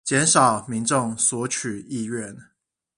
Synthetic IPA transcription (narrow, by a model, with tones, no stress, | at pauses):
t͡ɕjɛ˨˧˥nʂɑ˨˩ʊmi˧˦˥ŋʈ͡ʂʊ˥˩ŋswɔ˧˥t͡ɕʰy˨˩i˥˧ɥɛ˥˨n